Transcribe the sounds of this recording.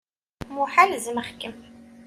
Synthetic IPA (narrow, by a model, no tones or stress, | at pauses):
muħalzəməχkəm